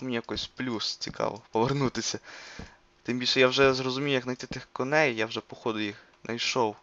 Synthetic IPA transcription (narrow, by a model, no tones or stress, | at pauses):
menʲijɐkɔjsʲplʲust͡sʲikɑ̰ʋɔpɔʋernut̪ɪsʲɐ | t̪ɪmbʲilʲʃɛjawʒɛzrɔzʊmʲijʊjɐknɐjt̪ɪt̪ɪxkɔnɛjjawʒɛpɔxɔd̪ʊjix | nʔɐjʃɔw